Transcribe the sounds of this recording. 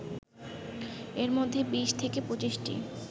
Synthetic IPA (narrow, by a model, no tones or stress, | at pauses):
eɾmod̪ʱːebiʃt̪ʰekepot͡ɕiʃʈḭ